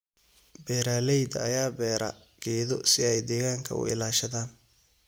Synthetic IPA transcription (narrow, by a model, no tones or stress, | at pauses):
bɛːɾaːlɛjd̪ɐɐjaːbɛːɾɐ̰ | ɡ̥ɛːðɔsɪɛjd̪ɛːɣaːŋkʰɐ̰ʊ̰ɪ̰laːʃɐðaːn